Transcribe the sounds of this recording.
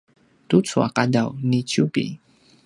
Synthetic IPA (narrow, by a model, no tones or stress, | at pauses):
t̪ut͡sua̰kadawnit͡ɕupḭ